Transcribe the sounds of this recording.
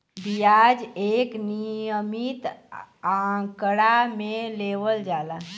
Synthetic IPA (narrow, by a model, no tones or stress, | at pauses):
b̪ijad͡ʒeknijjəmit̪ãkɽameleʋəld͡ʒala